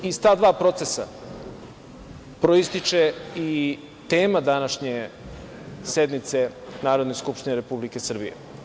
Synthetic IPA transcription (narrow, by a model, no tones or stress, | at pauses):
izt̪aːd̪ʋaːpɾo̞t̪sesa̰ | pɾoist̪it͡ʃei | t̪e̞ːmad̪anaʃɲe | sed̪mit̪se̞naːɾod̪neskupʃt̪ineɾe̞publike̞sr̩bḭjḛ